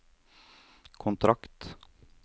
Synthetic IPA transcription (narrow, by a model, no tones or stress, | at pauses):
kʰʊnt̪ʰɾakt̪